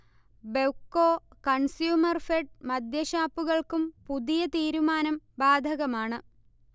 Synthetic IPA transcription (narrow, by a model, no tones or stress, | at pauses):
bewkːoːkɐɳsjuːmɐrfeɖ̚mɐd̪ʱjɐɕaːpːuɣɐɭkumpuðijɐt̪iːɾumaːnɐmbaːd̪ʱɐɣɐmaːɳɨ